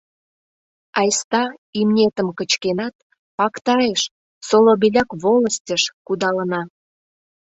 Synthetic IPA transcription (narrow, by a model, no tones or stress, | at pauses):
ɑjst̪ɑimnʲet̪əmkət͡ɕkenɑt̪̚ | pɑkt̪ɑjeʃ | solobilʲɑkβoləsʲtʲəʃkud̪ɑlənɑ